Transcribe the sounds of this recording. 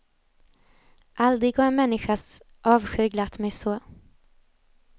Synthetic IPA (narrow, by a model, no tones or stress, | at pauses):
ʔald̪ɾɪɡhaɾnmɛnːɪɧas | ʔɑːvɧʉ̟ːɡlat̪mɛjsoː